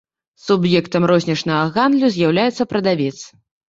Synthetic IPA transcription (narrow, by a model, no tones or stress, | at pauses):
subjɛkt̪ɐmrɔzʲnʲɐt͡ʂnɐɣɐɣand̪lʲuzʲjawlʲajɛt̪sːɐpɾɐd̪avʲɛt̪s